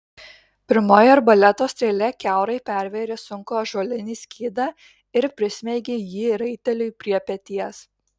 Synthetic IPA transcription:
pʲɪɾmoːjoːɾbɐlʲɛt̪oːsʲt̪ʲɾʲeːlʲɛkʲæˑʊɾɐɪpʲæˑɾʲʋʲeɾʲeːsʊŋkoːʒoːlʲɪnʲiːsʲkʲiːd̪ɑ | ɪɾpʲɾʲɪsʲmʲɛɪɡʲejiːɾɐɪt̪ʲɛlʲʊjpʲɾʲiɛpʲɛt̪ʲiɛs

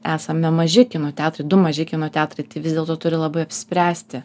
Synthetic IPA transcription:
æːsɐmʲɛmɐʒʲɪkʲɪnoːt̪ʲæːt̪ɾɐɪd̪ʊmɐʒʲɪkʲɪnoːt̪ʲæːt̪ɾɐɪt̪ɪʋʲɪzʲd̪ʲeːlˠt̪oːt̪ʊɾʲɪlˠɐbɐɪɐpʲsʲɪspʲɾʲæːsʲt̪ʲɪ

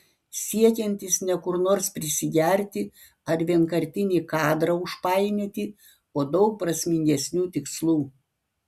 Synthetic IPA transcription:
sʲiɛkʲɛnʲt̪ʲɪsnʲɛkʊɾnoːɾspʲɾʲɪsʲɪɡʲɛɾʲt̪ʲɪ | ɐɾʋʲiɛŋkɐɾʲt̪ʲɪnʲiːkɑːd̪ɾɐʊʃpɑɪnʲɛt̪ʲɪ | oːd̪ɒʊk̚pɾɐsʲmʲɪŋʲɡʲɛsʲnʲuːt̪ʲɪkslˠuː

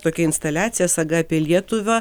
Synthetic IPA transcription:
t̪oːkʲɛɪnst̪ɐlʲæːt̪sʲɪjɛsɐɡɐːpʲiɛlʲiɛt̪ʊʋʲɐ

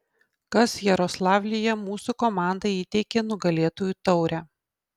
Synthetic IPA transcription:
kɐsjɛɾɔslˠɑːʋʲlʲɪjɛmuːsukɔmɑˑnd̪ɐiːt̪ʲɛɪkʲenʊɡɐlʲeːt̪oːjuːt̪ɒʊɾʲæː

